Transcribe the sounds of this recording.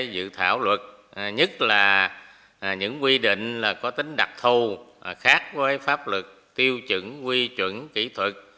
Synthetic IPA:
jzɨ̰˧˨t̪ʰa̰ː˧˩wlwə˨˩t̚ɲə˦˥t̚laː˨˩˨ | ɲɨ̰˧˥ŋkwi˧ɗḭ˧˨ŋ̟laː˨˩kɔ˨˦t̪ï˨˦ŋ̟ɗa˨˩k̚t̪ʰu˧˩xaː˦˥k̚vəː˨˦jfaː˦˥p̚lɨ˨˩k̚t̪i˧əwt͡ɕɨ̰˧˥ŋkwi˧t͡ɕwə̰˧˨nkḭ˧˩t̪ʰwə˨˩k̚

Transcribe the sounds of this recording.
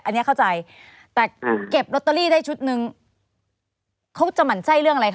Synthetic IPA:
ʔa˧nːi˦˥kʰa˥˩wt͡ɕa˧j | t̪ɛː˨˩ke˨˩p̚lo˦˥t̪ːaː˧liː˥˩daː˥˩jt͡ɕʰu˦˥t̪̚nɯ˧ŋ | kʰa˦˥wt͡ɕa˧˦ma˩nsa˥˩jɾɯ˥˩əŋʔɾa˧k

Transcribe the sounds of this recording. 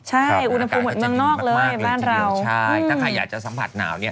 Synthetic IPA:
t͡ɕʰa˥˩jʔu˧nha˧p̚ʰuː˧mːo˨˩t̪̚mɯ˥əŋnɔː˥˩k̚lɤː˧jbaː˥˩nɾa˧wa˥˩ʔɯ˧aː˥˩kʰa˧jaː˨˩k̚t͡ɕa˨˩sa˩˦mpʰa̰˨˩t̪̚na̰ː˩˦wni˥ɐ

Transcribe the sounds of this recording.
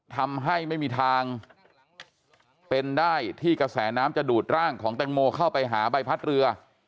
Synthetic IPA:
t̪ʰa˧mɦa˥˩jma˥˩jmiː˧t̪ʰaː˧ŋ | pe˧ndaː˥˩jt̪ʰiː˥˩kɾa˧sɛː˩˦naː˦˥mt͡ɕa˨˩duː˨˩t̪̚ɾaː˥˩ŋkʰɔː˩˦ŋt̪ɛ˧ŋmoː˧kʰa˥˩wpa˧jɦaː˩˦ba˧jpʰa˦˥t̪̚ɾɯ˧ɐ

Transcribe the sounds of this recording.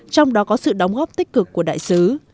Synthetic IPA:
t͡ɕɔ˧wŋ͡mɗɔ˨˦kɔ˨˦sɨ̰˧˨ɗə˨˦wŋ͡mɣɔː˦˥p̚t̪ï˦˥k̟̚kɨ˨˩kːu˧˩əɗa̰ː˧˨jsɨ˨˦

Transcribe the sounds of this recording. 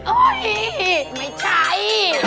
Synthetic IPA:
ʔo˧˩jma˧˩jt͡ɕʰa˧˩j

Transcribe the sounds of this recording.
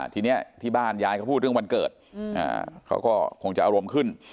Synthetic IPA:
t̪ʰiː˧ni˦˥ɐt̪ʰiː˥˩baː˥˩njaː˧jka˥˩pʰuː˥˩ɾɯ˥˩ŋwa˧nkɤ̰ː˨˩t̪̚ʔa̰ː˧˩kʰa̰˦˥wkɔː˥˩kʰo˧ŋt͡ɕa˨ʔa˧ɾo˧mkʰɯ˥˩n

